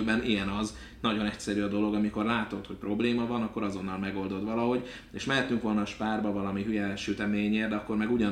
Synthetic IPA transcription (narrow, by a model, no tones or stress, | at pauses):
bɛniɛnɒz | nɒɟo̞nɛc̚sɛɾyːɒd̪o̞lo̞ɡɒmiko̞rlaːt̪o̞t̪hoc̚ʲpro̞bleːmɒvɒnɒkːo̞ɾɒzo̞nːɒlmɛɡo̞ld̪o̞d̪ʋɒlɒɦo̞ɟ | eːʃmɛɦɛt̪yŋkʋo̞lnɒːʃpaːrbɒvɒlɒmiɦyjɛʃyt̪ɛmeːɲeːrd̪ɛɒkːo̞rmɛɡuɟɒ